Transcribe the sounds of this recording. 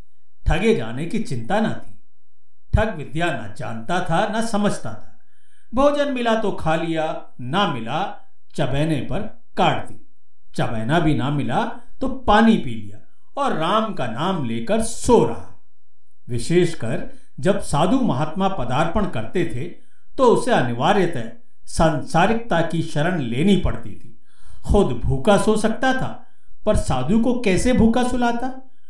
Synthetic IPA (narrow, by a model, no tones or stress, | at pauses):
t̪ʰɐɡed͡ʒa̰ːnekit͡ʃɪ̃nt̪anɐt̪ʰi̥ː | t̪ʰɐkʋɪd̪janɐ̰d͡ʒa̰ːnt̪at̪ʰanasɐməd͡ʒʱt̪a̰t̪ʰḁ | bʱoːd͡ʒənmɪlat̪okʰaːlija | namɪla | t͡ʃɐbɛːnepɐɾ | kaːɽt̪iː | t͡ʃɐbɛːnabʱinɐmɪla | t̪opaːnipiːlḭja̰ | ɔːɾːaːmkanaːmleːkəɾsoːɾɐ̰ɦa | ʋɪʃeːʃkɐɾ | d͡ʒɐbsaːd̪ʱumɐɦaːt̪mapɐd̪aːɾpəɽ̃kɐɾt̪et̪ʰe | t̪oʊseɐnɪʋaːɾjət̪e | sãːnsaːɾɪk̚t̪akiʃɐɾəɽleːnipɐ̰ɽt̪it̪ʰi̥ː | xʊd̪bʱuːkasosɐk̚t̪at̪ʰa̰ː | pɐɾsaːd̪ʱukokɛːsebʱuːkasʊlaːt̪aː